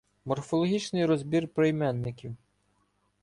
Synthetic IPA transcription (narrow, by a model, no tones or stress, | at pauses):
mɔrfɔlˠɔɦʲit͡ʃnɪjɾɔzʲbʲirpɾejmɛnːɪkʲiw